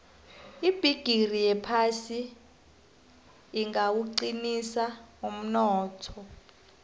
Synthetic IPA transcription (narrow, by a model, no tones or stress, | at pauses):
ib̥ʱiɡ̥ʱirijɛpʰasi | ŋɡawuǃinisaum̩nɔːtʰɔ